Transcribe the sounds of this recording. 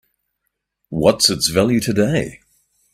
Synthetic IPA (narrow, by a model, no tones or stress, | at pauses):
wʌtsɨtsvælˠjʉtʰɨdeɪ